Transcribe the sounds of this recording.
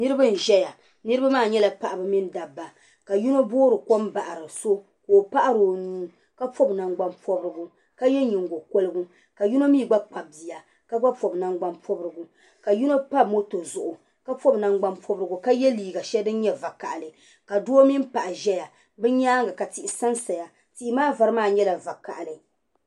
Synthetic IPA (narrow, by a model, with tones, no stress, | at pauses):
nɨ˦ɾɨ˦bɨ˦n̩˨ʒɛ˦ja˨ | nɨ˦ɾɨ˦ba˦maː˦˨ɲɛ˦la˦pa˨ʔa˨bɨ˨mi˦nda˨bːa˨ | ka˨ju˦no˦boː˦ɾɨ˨ko˦mba˨ʔa˨ɾɨ˨so˦ | ko˨pa˦ʔa˦ɾo˨nuː˦ | ka˦pɔ˦bna˨ŋɡ͡ba˦npɔ˦bɾɨ˦ɡʊ˦ | ka˦jɛ˦ɲi˨ŋɡo˨ko˦lɨ˦ɡʊ˦ | ka˨ju˦no˦miː˦˨ɡ͡ba˦k͡pa˨b̚bi˨ja˨ | ka˦ɡ͡ba˦pɔ˨bna˦ŋɡ͡ba˦npʰɔ˦bɾɨ˦ɡʊ˨ | ka˨ju˦no˦pa˦˨mo˦to˨zʊ˨ʔʊ˨ | ka˦pɔ˦bna˨ŋɡ͡ba˦npʰɔ˦bɾɨ˦ɡʊ˨ka˦jɛ˦liː˨ɡa˨ʃɛ˦dɨ˦n˦ɲɛ˦va˨ka̰˨ʔa˨lɨ˨ | ka˨do˦o˦mi˦m˦pa˨ʔa˨ʒɛ˦ja˨ | bɨ˦ɲaː˦ŋɡa˨ka˨ti˨ʔɪ˨sa˦nsa˨ja˨ | ti˨ʔi˦maː˦va˨ɾɨ˦maː˦˨ɲɛ˦la˨va˨ka̰˨ʔa˨lɨ˨